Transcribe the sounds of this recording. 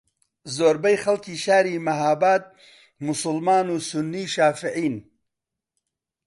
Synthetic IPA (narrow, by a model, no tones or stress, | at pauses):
zoːɾbɐjxɐlkiːʃaːɾiːmɐɦaːbaːt̪̚ | mʊsʊlmaːnusunːiːʃaːfiʕiːn